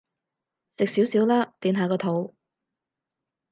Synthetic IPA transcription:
sɪ˨k̚siː˨˥wsiː˨˥wlaː˥t̪iː˨˧nɦaː˨˧kɔː˧t̪ʰo˨˥w

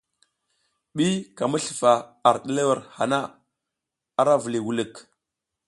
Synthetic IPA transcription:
ɓi˦ka˨mə˦ɬə˨fa˨a˨ɾɗə˦le˦wa˨ɾha˨na˦ | a˦ɾa˦və˨li˨wu˨lə˨k

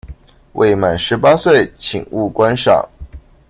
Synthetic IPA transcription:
wʔḛ˥˩ɪma˨˩nʂɻ̩˧˥pa˥swe˥˩ɪt͡ɕʰḭ˨˩ŋu˥˩kwa˥nʂɑ̰˨˩ŋ

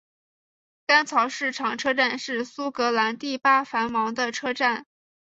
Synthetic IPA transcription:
ka˥nt͡sʰɑ˧˥ʊʂɻ̩˥˩ʈ͡ʂʰɑ˨˩ŋʈ͡ʂʰɤ˥ʈ͡ʂa˥˧nʂɻ̩˥˩su˥kɤ˧˥la˧˥nt̪i˥˩pa˥fa˧˥nmɑ˧˥ŋd̪ə˧ʈ͡ʂʰɤ˥ʈ͡ʂa˥˩n

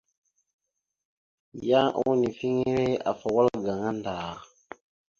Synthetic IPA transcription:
ja˦ʔu˦ni˨fi˦ŋi˦ɾe˦a̰˨fa˨wa˦lɡa˨ŋa˦ndaː˨

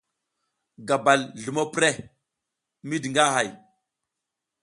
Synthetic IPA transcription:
ɡa˨ba˨lɮu˨mo˦pɾe˦ | mi˦di˨ŋɡa˦ɦa˨j

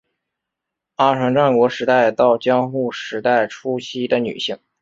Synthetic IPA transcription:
a˥ʈ͡ʂʰwa˧˥ŋʈ͡ʂa˥˩nkwɔ˧˥ʂɻ̩˧˥t̪a˥˧ɪt̪ɑ˥˩ʊt͡ɕjɑ˥ŋxu˥˩ʂɻ̩˧˥t̪a˥˩ɪʈ͡ʂʰu˥ɕʰi˧˥d̪ə˧ny̰˨˩ɕi˥˩ŋ

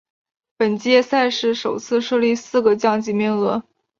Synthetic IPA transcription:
pə˨˩nt͡ɕi˥jɛ˥˧sa˥˧ɪʂɻ̩˥˩ʂo˨˩ʊt͡sʰɹ̩˥˧ʂɤ˥˧li˥˧sɹ̩˥˩ɡə˩t͡ɕjɑ˥˧ŋt͡ɕi˧˥mi˥˩ŋlə˧˥

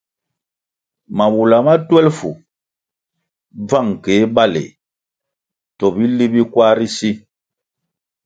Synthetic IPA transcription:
ma˨wu˨la˨ma˦twɛ˦lfu˨ | b͡va˦˨ŋ˨ke˨˦ba˦˨lḛ˨ | tɔ˨bi˦li˦bi˦kwa˦ɾi˦si˦

